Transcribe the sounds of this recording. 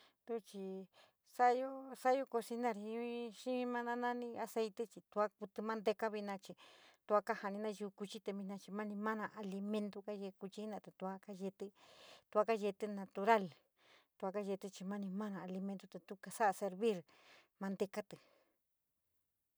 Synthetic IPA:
d̪u˦˧t͡ʃi˧ | sa˦jo˦sa˦jo˦ko˧si˧nã˦˧ɾi˧˦ʃĩ˦mã˦nã˦nã˦nĩ˧a˧se˧jt̪e˦t͡ʃi˧t̪u˧a˦ku˧t̪ɨ˧mã˦nd̪e˧ka˦βi˧nã˧t͡ʃi˧t̪u˧a˦ka˦ha˧nĩ˧nã˦ʒu˧ku˧t͡ʃi˦t̪e˧βĩ˧nã˧t͡ʃi˧mã˦nĩ˧mã˦nã˧ʔa˧li˧mẽ˧nt̪o˧ka˦ʒe˧ku˧t͡ʃi˧˦nã˧˨t̪a˨t̪u˧a˦ka˦ʒe˧t̪ɨ˦t̪u˧a˦˧ka˦˧e˧t̪ɨ˦nã˧t̪u˧ɾa˦˨l | t̪u˧a˧ka˦ʒe˧t̪ɨ˧t͡ʃi˧mã˦nĩ˧mã˦nã˧˨a˧li˧mẽ˧nt̪o˦t̪a˨t̪u˦ka˧sa˦ʔa˧se˧ɾβi˦ɾ | mã˧nd̪e˧ka˦t̪ɨ˨

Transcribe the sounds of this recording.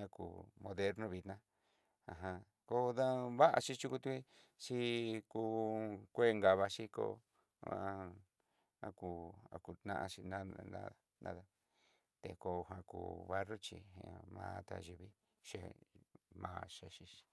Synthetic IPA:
ã˧kṵ˧˨mõ˧ðe˦ɾnõ˧βi˧t̪nã˦ | a˨ɦã˧ | ko˦ða˦βa˦ʔa̰˧t͡ʃi˦˧t͡ʃu˦ku˧t̪u˦ki˦ | t͡ʃi˧kuː˧kʷe˦˧ŋɡa˨βa˧ʃi˦ko̰˦˧˨ | a˧ku˧a̰˧ku˧t̪nã̰˦ʔa˧t͡ʃi˧nã˦a̰˦˧˨ | nã̰˦ða˧ | t̪e˨˧ko˧ɦã˧ku˧βa˦ro˦t͡ʃḭ˧ẽ˧mã̰ː˧˦˧t̪a̰˧ʒi˧βi˦ | ʃe˧ | mãː˧ʃa˧ʃi˧i̥˧

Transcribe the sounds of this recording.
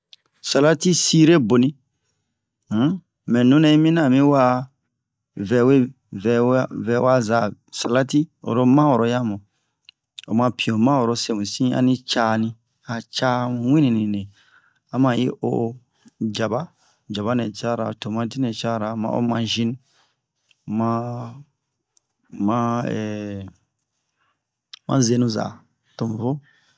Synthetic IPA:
sa˨la˦ti˦si˦ɾe˦bo˨nĩ˦ | mɛ̃˨nũ˦nɛ̃˦i˦mĩ˦nã˦˨mĩ˦wa˦ | vɛ˨we˦ | vɛ˨wvɛ˨wa˦za˨sa˨la˦ti˦o̰˨ɾo˦mã˦wo˨ɾo˨˦ja˦mũ˨ | o̰˨mã˧pʰi˨o˨mã˦wo˨ɾo˦se˦˨mũ˨sĩ˦a̰˦nĩ˦t͡ʃaː˦nĩ˦ | a˨t͡ʃa˦m˨wĩ˦nĩ˨nĩ˨ne˨ | a˦mã˨ji˦ʔo̰˦ | d͡ʒa˨ba˦ | d͡ʒa˨ba˦nɛ˨t͡ʃa˦ɾa̰˨to˨mã˦ti˦nɛ̃˨t͡ʃa˦˨ɾa˨mã̰˨˦o̰˦mã˨ʒĩ˦n | mã˦ | mã˦ɛ̰˨ | mã̰˦ze˦nũ˦za̰˨ | to˨m˨vo˦

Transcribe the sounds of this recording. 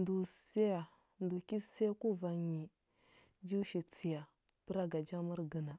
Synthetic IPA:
ndu˨se˦ja˨ | ndu˨ki˦se˦ku˦va˨ɲi˨ | d͡ʒi˦ʃi˨t͡si˨ja˨ | pə˦ɾa˦ɡa˨d͡ʒa˦mu˦ɾɡə˨na˨

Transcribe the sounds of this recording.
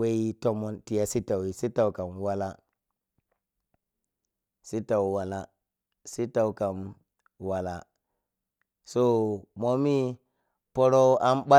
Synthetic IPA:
we˦i˦to˦mo˦nti˨ja˨si˦ta˨wi˨si˦ta˨wka˨mwa˦la˦ | si˦ta˨wwa˨la˨ | si˦ta˨wka˨m | wa˨la˨ | so˦mo˦mi˦ | po˦ɾo˦a˦mɓa˦

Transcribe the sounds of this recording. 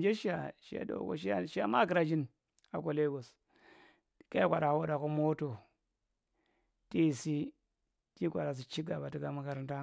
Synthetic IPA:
d͡ʒe˦ʃi˦a˨ʃḭ˦a̰˦do̰˨ko̰˨ʃ̬i˦a̰˦ʃi˦a˦ma˦˨ki˨ɾa˨d͡ʒi˦n | a̰˨ko˨le˦ɡo˨s | ka˦i˦kʷa˨ɾa˨wo˦da˨ko˦mo˦to˨ | ti˦˨si˦ | ti˦kʷa˨ɾa˨s̬i˨t͡ʃi˦ɡa˨ba˨ti˦ɡa˨mu˦ka˨ɾi˦nta˦

